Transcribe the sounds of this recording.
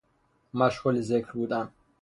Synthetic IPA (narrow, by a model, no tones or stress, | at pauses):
maʃχɔlizɛkʰlbut̪ʼan